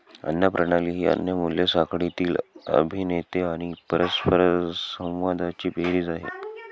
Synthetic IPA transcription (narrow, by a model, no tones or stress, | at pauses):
ə̰njəpɾəɽaliːɦiːə̰njəmuljəsakʰɽit̪iːlə̰bʱinet̪eaɽ̃ipəɾəspʰəɾsə̃w̃ʋad̪ʱat͡ɕiːbʱeɾiːd͡zaɦḛ